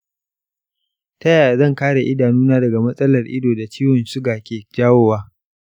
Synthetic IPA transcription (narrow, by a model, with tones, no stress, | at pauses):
tɐ˦jaː˨zɐ˦˨ŋkaː˦ɽe˨ʔɪ˦daː˨nuː˦naː˦dɐ˨ɡa˨mɐ˦sʼɐ˦lɐ˨rʔɪ̰˦doː˨da˨t͡ʃiː˦wɔ˨nsʊ˦ɡaː˨kʲeː˨d͡ʒaː˦woː˦waː˦